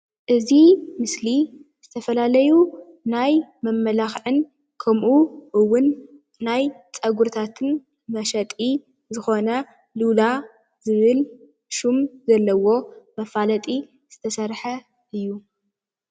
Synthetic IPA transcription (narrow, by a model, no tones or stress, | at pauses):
ʔɨzimɨsliz̥ɨt̪ʰɐfɐlalɐju | najmɐmːɐlaxʕɨn | kʰɐmʔuʔɨwːʊnː | aj | t͡sʼɐɡuɾt̪ʰat̪ʰɨn | mɐʃɐt̪ʼi | zɨxo̞nɐ | lula | zɨβɨl | ʃumzɐlːɐwo̞mɐfalɐt̪ʼi | z̥ɨt̪ʰɐsɐɾħɐ | ʔɨjːu